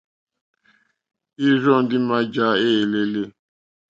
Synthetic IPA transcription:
i˦zɔ˦˨n̩˦dɪ˦ma˦d͡ʒa˦e˦˨le˦le˦

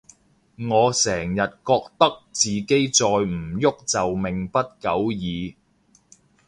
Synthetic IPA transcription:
ŋɔː˨˧sɛː˨˩ŋjɐ˨t̚kɔː˧k̚t̪ɐ˥k̚t͡siː˨ke˥jt͡sɔː˧jm̩˨˩jʊ˥k̚t͡sɐ˨wmɪ˨ŋpɐ˥t̚kɐ˨˥wjiː˨˧

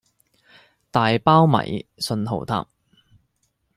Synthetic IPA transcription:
t̪aː˨jpaː˥wmɐ̰˨˩jsɵ˧nho̰˨˩wt̪ʰa̰ː˧˥p̚

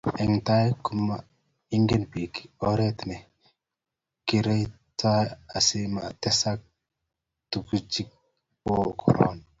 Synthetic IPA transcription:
ɛ˨ŋta˦jku˦ma˨ | i˦ŋɡe˦nbi˨ki̥˨o˦ɾe˦t̪nɛ˨ | ki˨ɾe˦j | ta˦a˨si˦ma˨t̪ɛ˦sa˦k̚ | tu˨ku˦d͡ʒi˦k̚ | po˦˨kʰɔ̰˨ɾo̰˦n

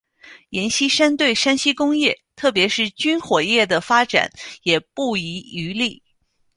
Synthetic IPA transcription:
jɛ˧˥nɕi˥ʂa˥nt̪we˥˩ɪʂa˥nɕi˥kʊ˥ŋjɛ˥˩t̪ʰɤ˥˩p̬jɛ˧˥ʂɻ̩˥˩t͡ɕy˥nxwɔ˨˩jɛ˥˩d̪ə˩fa˥ʈ͡ʂa̰˨˩˦njɛ˨˩pu˥˩i˧˥y˧˥li˥˩

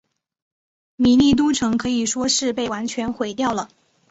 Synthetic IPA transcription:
mi˨˩li˥˩t̪̬u˥ʈ͡ʂʰɤ˧˥ŋkʰɤ˧˥i˨˩ʂwɔ˥ʂɻ̩˥˧pe˥˩ɪwa˧˥nt͡ɕʰɥɛ˧˥nxwe˧˨˩ɪt̪jɑ˥˩ʊlə˩

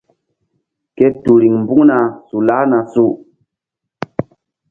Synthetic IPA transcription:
ke˦tu˨ɾi˨ŋm˨bu˦ŋna˨su˨la˦na˨su˦˨

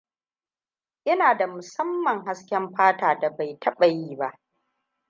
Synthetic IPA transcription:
ʔɪ˦naː˨da˨mʊ˨sɐ˦mːɐ˨ŋɦa˦skʲɛ˦mɸaː˦taː˨da˨ba˨jtʰɐ˦ɓa˨jiː˦˨ba˦ʔ

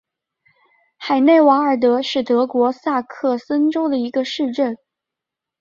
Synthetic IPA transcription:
xa˨˩ɪne˥˩ɪwa˧˥ə˞˨˩t̪̬ɤ˧˥ʂɻ̩˥˩t̪ɤ˧˥kwɔ˧˥sa˥˧kʰɤ˥˩sə˥nʈ͡ʂo˥ʊd̪ə˨i˧˥ɡə˧ʂɻ̩˥˧ʈ͡ʂə˥˩n

